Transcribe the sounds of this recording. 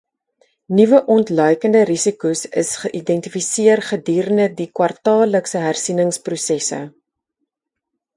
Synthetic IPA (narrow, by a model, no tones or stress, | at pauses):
nivəʔɔntlœɥkəndəɾisikusə̰sχəʔidɛntifisiərχədiːɾənədikwɐrtɑːləksəɦærsinəŋsprusɛsə̰